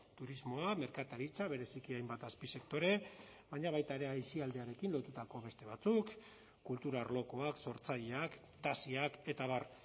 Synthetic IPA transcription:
t̪uɾizmo̞ame̞ɾkat̪aɾit͡saβ̞e̞ɾe̞sikiajmbat̪aspise̞k̚t̪o̞ɾe̞βaɲaβajt̪aeɾe̞ajsiald̪e̞aɾe̞kinlo̞t̪ut̪ako̞βe̞st̪e̞β̞at͡sukː | ult̪uɾaɾlo̞ko̞akso̞ɾt͡saʎeak | t̪asiake̞t̪aβ̞ar

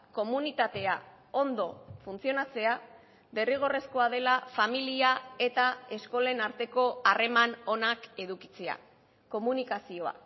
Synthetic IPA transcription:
ko̞munit̪at̪e̞a | o̞nd̪o̞funt͡sio̞nat͡se̞a | be̞riɣ̞o̞re̞sko̞að̞e̞lafamiliae̞t̪ae̞sko̞lenaɾt̪e̞ko̞are̞mano̞nake̞ðuki̥t͡se̞a̰ | ko̞munikasio̞a̰

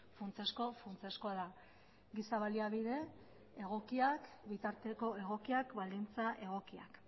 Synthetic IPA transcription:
funt͡sesko̞funt͡se̞skoaða | ɡisaβaliaβiðe̞ː | ɣ̞o̞kiakbit̪aɾt̪e̞ko̞e̞ɣ̞o̞kiakbald̪int͡saʔe̞ɣ̞o̞kia̰k

